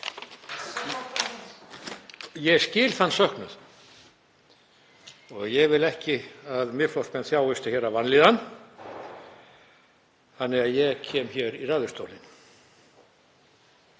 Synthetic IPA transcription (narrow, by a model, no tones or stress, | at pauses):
jɛɣscɪːlθanːsœhknʏ̰ð | ɔ̰ɣjɛɣvɪlɛhcɪaðmɪflɔwspɛnθjaːwɪst̪ɪçɛɾavanliːðan | θanːɪɣaðjɛɣcʰɛːmçɛɾiraːðʏst̪owlɪ̰n